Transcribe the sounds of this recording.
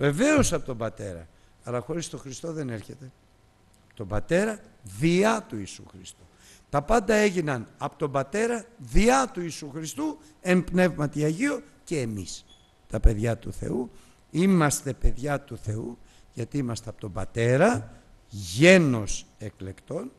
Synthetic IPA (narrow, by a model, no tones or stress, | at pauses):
ve̞ve̞o̞sɐpot̪o̞bɐt̪e̞ɾɐ̰ | ɐlɐxo̞ɾist̪o̞xɾist̪o̞ðe̞ne̞ɾçe̞t̪e̞ | ɐpo̥t̪o̞bɐt̪e̞ɾɐ | ðiɐt̪uisṵxɾist̪u̥ | t̪ɐpɐnd̪ɐe̞ʝinɐnɐpot̪o̞mbɐt̪e̞ɾɐðiɐt̪uisuxɾist̪u | e̞npne̞vmɐt̪iɐʝio̞ | ce̞ːmḭs | t̪ɐpe̞ðʝɐt̪uθe̞̰u | imɐst̪e̞pe̞ðʝɐt̪uθe̞u | ʝɐt̪iimɐst̪e̞ɐpo̥t̪o̞mbɐt̪e̞ɾɐ | ʝe̞no̞se̞kle̞kt̪o̞n